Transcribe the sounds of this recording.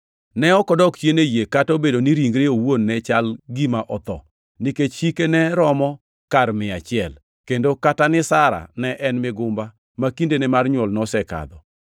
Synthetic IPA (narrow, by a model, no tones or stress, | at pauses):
nɛɔkɔdɔkt͡ʃenejekatobedoniɾiŋɡɾeowonːɛt͡ʃalɡimaʔɔt̪ɔ | niket͡ʃʃikenɛɾɔmɔ | karmɪat͡ʃɪɛl | kendokatanɪsaɾa̰nɛʔɛnmɪɡʊmba | makindenɛmarɲwɔlnɔsɛka̰d̪ɔ